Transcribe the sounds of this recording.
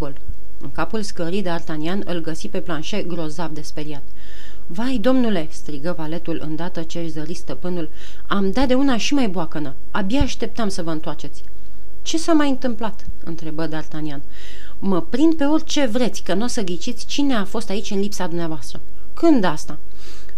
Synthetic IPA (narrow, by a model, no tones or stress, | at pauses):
ol | ɨ̰ŋkapulskəɾijd̪eart̪anianɨ̰lɡəsipe̞planʃe̞ɡɾo̞zab̚d̪e̞spe̞ɾiat̪ | vajd̪o̞mnule̞st̪ɾiɡəvale̞t̪ulʔɨ̰nd̪at̪ət͡ʃeaʃzəɾist̪əpɨnul | amd̪at̪̚d̪e̞unaʃimajboakənə | abjaaʃt̪e̞p̚t̪əmsəvəɨnt̪oart͡ʃe̞t̪sʲ | t͡ʃe̞samajɨnt̪ɨmplat̪ | ɨ̰nt̪ɾe̞bəd̪art̪anian | məpɾind̪̚pe̞o̞rʲt͡ʃe̞vɾe̞t̪sʲkənuosəɡɾit͡ʃit̪sʲt͡ʃine̞afo̞st̪ait͡ʃʲɨnlipsad̪umneavoast̪ɾə | kɨnd̪ast̪a